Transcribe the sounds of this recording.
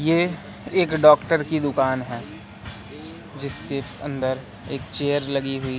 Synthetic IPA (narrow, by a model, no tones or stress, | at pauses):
jeː | eːkɖɔːkʈəɾkid̪ʊkaːnɦɛː | d͡ʒɪske | ɐ̰̃nd̪əɾ | eːkt͡ʃeːəɾlɐɡiɦʊi